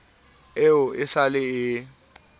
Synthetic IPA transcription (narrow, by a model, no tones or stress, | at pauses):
eʊɪsalɪɪ